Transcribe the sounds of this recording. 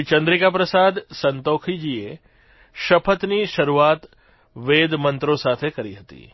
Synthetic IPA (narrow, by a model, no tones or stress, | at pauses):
it͡ʃə̃nd̪ɾikapɾəsaːd̪sɐnt̪oːkʰid͡ʒie | ʃɐpʰət̪niʃɐɾuaːt̪ | ʋeːd̪mə̃nt̪ɾõsaːt̪ʰekɐɾiɦɐt̪ḭː